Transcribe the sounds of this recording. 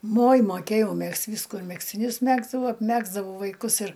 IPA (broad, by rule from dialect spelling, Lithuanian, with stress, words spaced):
moːj moːˈkʲeːjɛʊ ˈmʲɛkst ˈʋʲiːskʊ ɪr mʲɛksʲtʲɪˈnʲʊs ˈmʲæːɡzdɐʋɐʊ ɐpʲˈmʲæːɡzdɐʋɐʊ ʋɐɪˈkʊs ɪr